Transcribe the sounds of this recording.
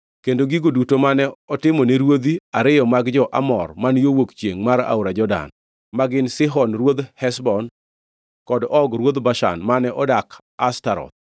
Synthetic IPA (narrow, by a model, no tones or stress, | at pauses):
kendoɡiɡodutomanɛɔtɪmɔneɾwod̪iaɾɪjɔmaɡd͡ʒɔʔa̰mɔ̰rmanjowokt͡ʃjeŋmaɾa̰ʊɾad͡ʒɔda̰n | maɡɪnsɪɦɔnrwod̪hɛsbɔn | kɔdɔɡɾwod̪baʃa̰nmanɛʔɔdak | astaɾɔ̰t̪̚